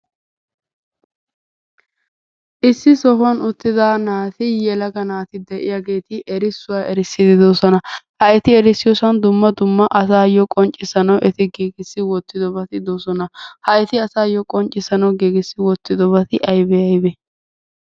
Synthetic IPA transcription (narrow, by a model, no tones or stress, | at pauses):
ʔɪsːɪsɔɦʊɐnʊt̪ːɪd̪aːnaːt̪ɪjɛlɐɡɐnaːt̪ɪd̪ɛʔɪjaɡe̞ːt̪ɪʔɛɾɪsːʊwaːʔɛɾɪsːɪd̪ɪd̪osɔnɐhɐjt̪ɪɛɾɪsːɪjɔsɐnd̪ʊmːɐd̪ʊmːɐʔɐsaːjɔkʼɔnt͡ʃʼɪsɐnɐwʔɛt̪ɪɡeːɡɪsːɪwɔt̪ːɪd̪ɔbɐt̪ɪd̪oːsɔnɐhɐjt̪ɪɐsaːjɔkʼɔnt͡ʃʼːɪsɐnɐwɡeːɡɪsːɪwɔt̪ːɪd̪ɔbɐt̪ɪʔɐjbɛɐjbɛ